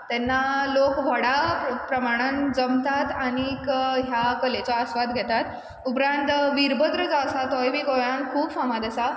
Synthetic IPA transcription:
t̪ɛnːalokʋʱəɽapɾəmaɽ̃and͡zəmt̪at̪aɽ̃ikɦjakəlet͡sɔəsʋad̪ɡʱɛt̪at̪ | upɾãnt̪ʋiɾbəd̪ɾəd͡zasat̪ɔjbiːɡojãnkʰuːbfãmad̪asa

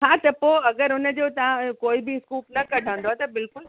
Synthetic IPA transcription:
ɦaːt̪ɐpoːɐɡəɾʊnəd͡ʑoːt̪ɐʋãkoːibʱɪskuːpnɐkɐɖʱə̃ːnd̪ot̪ɐbɪlkʊl

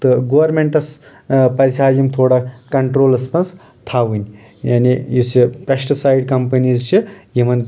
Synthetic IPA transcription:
t̪ɨɡoʋɐɾmeɳʈɐs | pɐjsʲaːjimt̪ʰoːɽakɐɳʈɾoːlɐspɐns | t̪ʰaʋɨnʲ | jaːnijusipɾɐsʈsajɖkɐmpɐnizt͡ʃʰijimɐn

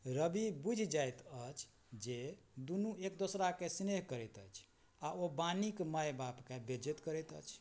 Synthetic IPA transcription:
ɾəbibud͡ʒʱd͡ʒajt̪ət͡ʃʰ | d͡ʒe | d̪unuek̚d̪osɾakesneɦkəɾɛt̪ə̰t͡ʃʰ | aobanikməjbapkebed͡ʒit̪kəɾɛt̪ə̰t͡ʃʰ

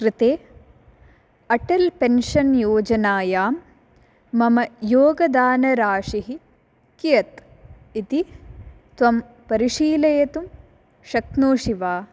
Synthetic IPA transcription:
kɾit̪eː | ɐʈɐlpenʂɐnjoːd͡ʒɐnaːjaːmː | ɐmɐjoːɡɐd̪aːnɐɾaːʂiɦi | kijɐt̪ | it̪i | t̪ʋɐm | pɐɾiʂiːlɐjɐt̪um | ʃɐk̚noːʂiʋaː

